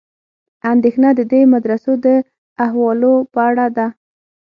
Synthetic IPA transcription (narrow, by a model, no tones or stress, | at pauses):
and̪exnad̪əd̪emad̪ɾasod̪ə | aɦwɑlopəaɽad̪a